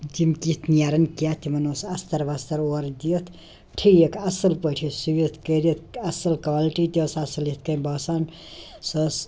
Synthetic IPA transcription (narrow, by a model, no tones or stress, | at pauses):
d͡ʒimkit̪ʰnijaːɾɐnkijaːt̪ʰimɐnosɐst̪ɐɾʋast̪ɐɾoɾd̪iət̪ʰ | ʈʰijekʰɐsɐlpəʈʰisuʋit̪ʰkəɾit̪ɐsɐlkʋaliʈit̪ʲosɐsɐlit̪̚ʰkɐnbaːsan | sɐs